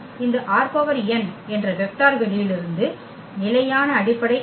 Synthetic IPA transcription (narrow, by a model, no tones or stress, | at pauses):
ɪnd̪ɐʔaːɾpoːʋɐɾɛnɛndrɐʋɛk̚ʈaːɾʋɪlijɪlɪɾɯnd̪ɯ | nɪlɐjaːnɐːɽɪpːɐɽɐɪ